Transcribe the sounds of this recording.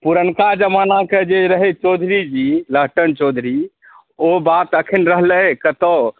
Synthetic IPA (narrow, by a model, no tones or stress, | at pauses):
puɾənkad͡ʒəmanaked͡ʒeɾəɦɛt͡ʃod̪ʱɾid͡ʒiləɦʈənt͡ʃod̪ʱɾi | obat̪əkʰinɾəɦləkət̪ə